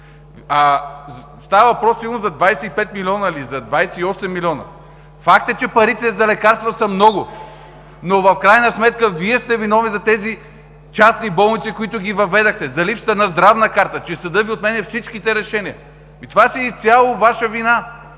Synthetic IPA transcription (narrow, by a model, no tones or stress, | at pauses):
az | st̪avəvɐpɾɔsːilˠnozɐd̪vajsɛipɛt̪milʲiɔnəlizɐd̪vajsɛiɔsɛmːilʲiɔnə̰ | fak̚t̪ɛt͡ʃɛpɐɾit̪ɛzɐlɛkaɾst̪vəsɐmnɔɡʊ | novɐfkɾajnɐsmɛt̪̚kəviɛst̪ɛvinɔvnizɐt̪ɛzi | t͡ʃasnibɔlˠnit̪sikoit̪ʊɡʲivɐvɛd̪ɐxt̪ɛzɐlipsə̥t̪ənɐzd̪ɾavnəkaɾt̪ət͡ʃɛsɐd̪ɤviot̪mɛnɛfsit͡ʃkit̪ɛɾɛʃɛniə | it̪ovasɛit̪sʲjalˠovaʃəvina